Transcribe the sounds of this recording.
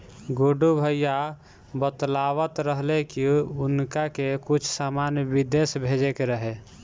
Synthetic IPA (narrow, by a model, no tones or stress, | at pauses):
ɡoɖubʱəja | bət̪lawət̪ɾəɦlekiʊnkakekut͡ʃʰsamanjəbid̪esbʱed͡ʒekeɾəɦe